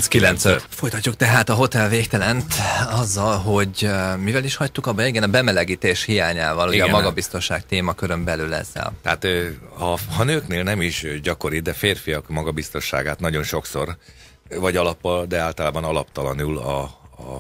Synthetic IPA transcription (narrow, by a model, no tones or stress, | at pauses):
skilɛnt̪søt̪fo̞jt̪ɒcːukt̪ɛɦaːt̪ɒɦo̞t̪ɛlveːkt̪ɛlɛnt̪ɒzːɒlɦo̞ɟmivɛliʃhɒct̪ukɒbːɒiɡɛnɒbɛmɛlɛɡiːt̪eːʃhijaːɲaːvɒlhoɛmɒɡɒbist̪o̞nʃaːkt̪eːmɒkøɾø̞mbɛlylɛ̰zːɛ̰lt̪ɛat̪øhɒhɒnøːkneːlnɛmiʃɟɒko̞ɾid̪ɛfeːrfijɒkmɒɡɒbist̪o̞nʃːa̰ːɡaːt̪nɒɟo̞nʃo̞kso̞r | vɒɟɒlɒpːɒld̪ɛaːlt̪ɒlaːbɒnɒlɒpt̪ɒlɒnuːlɒ